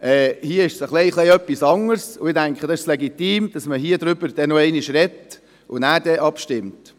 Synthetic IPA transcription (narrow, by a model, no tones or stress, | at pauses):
ʔɛːhiːəɪʃsəχleɪχleɪœpːisɑŋəɾsʊɪdæŋkχədɑɪʃslɛɡitiːmd̥ɑsməɦiːəd̪ɾʏbəɾd̥ɛnoɛɪniʃrɛt | ʔʊ̰næːɾdɛʔɑpʃtɪmt